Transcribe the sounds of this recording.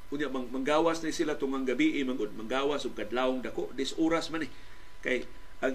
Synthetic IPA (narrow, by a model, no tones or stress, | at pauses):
uɲaʔmamaŋɡawasnaisilat̪ʊŋaŋɡabiʔɪmaŋʊd̚maŋɡawasʊɡ̚kadlaʊŋdakoʔdɪsuɾasmanɪ | kaj | aŋ